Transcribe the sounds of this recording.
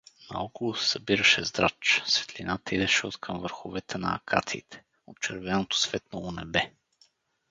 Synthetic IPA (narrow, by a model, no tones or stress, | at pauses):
nɐ̰ɔkolˠosɛ̥sɐbiɾɐʃɛzd̪ɾa̰t͡ʃsvɛ̥t̪linat̪əid̪ɛʃɛot̪kʰɤmvəɾxovɛt̪ʰɛnɐ̰ːkʰa̰t̪sḭːt̪ʰɛ̥ | ott͡ʃɛɾvɛnot̪o̥svɛt̪noonɛbɛ